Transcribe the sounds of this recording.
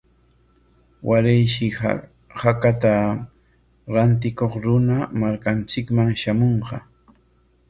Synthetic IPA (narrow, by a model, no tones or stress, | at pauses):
wʔaɾɪjʃɪ | hakat̪a | ɾant̪ɪkoχɾʊnamaɾkant͡ʃɪkmaŋʃamoɴqɑ